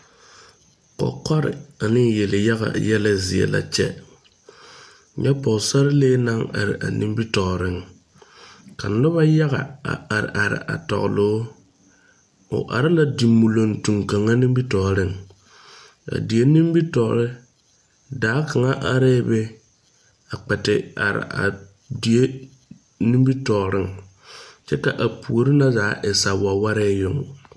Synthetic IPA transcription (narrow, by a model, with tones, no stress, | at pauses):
kɔ̰˨kɔ˦ɾɪ̰˨a˨nɪ˦˨je˨lɪ˨ja˦ɣa̰˨jɛ˦la˦zɪ˨ɛ̰˨la̰˨t͡ʃɛ̰˦ | ɲɛ˦pɔ˨sa˦ɾɪ˦leː˦na˦ŋa̰˨ɾɪ̰˨ʔa̰˨nḭ˦mbi˦tɔ˨ɾɪ˦ŋ | ka˨nʊ˦ba˦ja˦ɣa˨a̰˨ʔa˨ɾɪ̰˨ʔa˨ɾɪ̰˨ʔa̰˨tɔ̰˨ɣlʊ˨˦ | ʊ̰˨ʔa̰˨ɾɪ˦na˨di˨mːu˨lo˨ntu˨ŋka˨ŋa˦ni˦m˦bi˦tɔ˨ɾɪ˦˨ŋ | a̰˨di˨e˦ni˦m˦bi˦tɔ˨ɾɪ˦ | daː˨˦ka˨ŋa˦ʔa˨ɾɛː˦be˦ | a˨k͡pɛ˨tɪ˨a̰˨ɾɪ̰˨ʔa̰˨ | di˨e˦ | ni˦mbi˦tɔ˨ɾɪ̰˦ŋ | t͡ʃɛ˦ka˨ʔa˨pʰu˨o˨ɾɪ˦na˦zaː˨˦ʔɪ˨sa˨wa˨wa˦ɾɛː˦jʊ˨ŋ